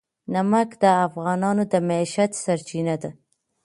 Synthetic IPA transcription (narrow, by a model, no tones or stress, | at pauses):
namakd̪əafɣɑnɑnod̪əmaiʃat̪saɾt͡ʃinad̪a